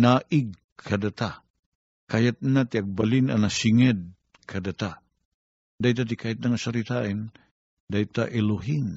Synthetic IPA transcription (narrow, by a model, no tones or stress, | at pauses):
naːʔɪɡ̚ | kʰad̪at̪a | kajat̪̚nat̪iaɡ̚balina̰nasiŋɛd̪̚ | kʰɐd̪at̪a | d̪ajt̪̬at̪̬ikʰaat̪̚naŋasaɾit̪aʔɛn | d̪ajt̪aʔɛluɦɪŋ